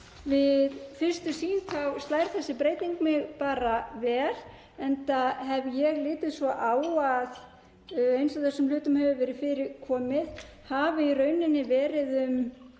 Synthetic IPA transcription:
vɪðfɪr̥st̪ʏsiːnt̪ʰawst̪lajɾ̥θɛsːɪpɾeːjt̪iŋk̚mɪɣpaːɾavɛːɾ̥ | ɛnt̪aɦɛvjɛɣlɪːt̪ɪðsvɔʔaːwað | ejnsaθɛsːʏml̥ʏːt̪ʏmhɛvʏvɛːɾɪðfɪːɾɪkʰɔːmɪð | havɪirœːɥnɪnːɪvɛːɾɪðʏm

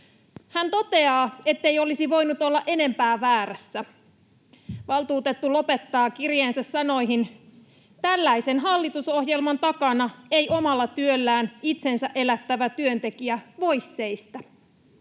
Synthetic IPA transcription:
hænt̪o̞t̪e̞ɑːe̞t̪ːe̞jo̞lisiʋo̞jnut̪o̞lːɑʔe̞ne̞mpæːʋæːɾæsːæ | ʋɑlˠt̪uːt̪e̞t̪ːulo̞pe̞t̪ːɑːkirjeːnsæsːɑno̞jɦin | t̪ælːæisenɦɑlːit̪uso̞hjelmɑnt̪ɑkɑnɑe̞jʔo̞mɑlːɑt̪yølːæːnit̪se̞nsæʔe̞læt̪ːæʋæt̪yø̞nt̪e̞kiæʋo̞jsːe̞ist̪æ

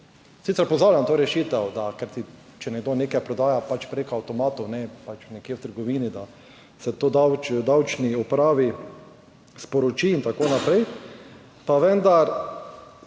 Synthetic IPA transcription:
sit̪ɛɾpɔzaːwlʲjamt̪oːɾɛʃiːt̪ɛwd̪akɛɾt̪i | t͡ʃɛnɛɡd̪oːnekɛpɾɔd̪aːjapat͡ʃpɾekoawt̪ɔmaːt̪ɔwnɛpat͡ʃnɛkjewt̪əɾɡɔʋiːnid̪a | sɛt̪oːd̪awt͡ʃd̪awt͡ʃniɔpɾaːʋi | spɔɾot͡ʃiːnt̪akoːnapɾɛj | paʋɛnd̪aɾ

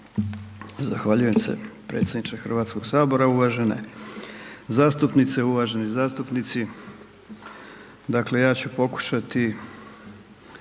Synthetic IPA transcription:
zaxʋaʎujemsḛpɾeːt̪sed̪nit͡ʃexr̩ʋaːt̪skoɡ̥saːbo̞ɾauʋaʒe̞nḛ | zaːst̪upnit̪seuʋaʒenizaːst̪upnit̪si | d̪akle̞jaːt͡ɕupo̞ku̥ʃat̪i

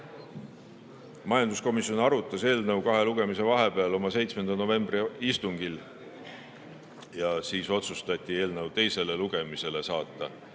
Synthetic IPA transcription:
mɑjɑnd̪̥usko̞misio̞nɑɾut̪ːˑɑse̞ːlnɤwkɑɦe̞luɡ̥e̞mise̞vɑɦe̞pe̞ɑlo̞mɑse̞jt̪sme̞nd̪̥ɑno̞ve̞mbriist̪uŋɡ̥il | jɑsiːso̞t̪sust̪ɑt̪ʲːˑie̞ːlnəwt̪e̞jse̞le̞luɡe̞mise̞le̞sɑːt̪ˑːɑ

